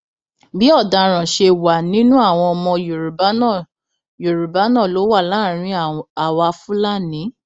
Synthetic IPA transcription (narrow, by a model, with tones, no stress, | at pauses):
bi˦ɔ˦˨da˨ɾ̃ã˨ʃe˧wa˨nĩ˦nũ˦a˦˨w̃ɔ̃˧ɔ˧mɔ̃˧jɾ | jo˨ɾu˨ba˨˦nã˦˨lo˨˦wa˦˨la˦˨ɾ̃ĩ˧a˨wa˧fũ˦la˦˨nĩ˨˦